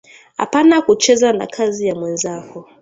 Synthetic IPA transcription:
ha̰panakut͡ʃɛzana̰kʰazijamwɛnzakɔ

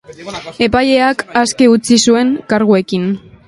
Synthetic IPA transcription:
e̞paje̞akaskeut͡sisue̞ŋkaɾɣ̞ue̞kin

